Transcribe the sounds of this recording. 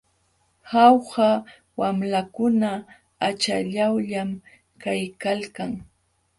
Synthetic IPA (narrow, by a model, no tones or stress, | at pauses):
hawha | wamlakʊna | at͡ʃaʎawʎam | kajkalkaŋ